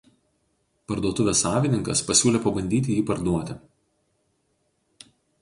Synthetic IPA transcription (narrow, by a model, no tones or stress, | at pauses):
pɐɾd̪uɔt̪ʊʋʲeːsːɑːʋʲɪnʲɪŋkɐspɐsʲuːlʲeːpɐbɐnʲd̪ʲiːt̪ʲɪjiːpɐɾd̪uɔt̪ʲɪ